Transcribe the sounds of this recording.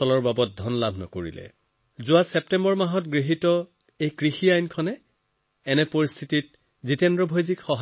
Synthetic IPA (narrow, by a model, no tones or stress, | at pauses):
ɔlɔɹbabɔt̚dʱɔnlabʱnɔ̰koɹḭlɛ̰ | zʊasɛptɛmbɔɹmaɦɔtɡɹiɦitɔ | ejkɹixiajnkʰɔnɛ | ɛnɛpoɹist̪ʰitit̚ | zitɛndɹɔbʱojzikxɔɦ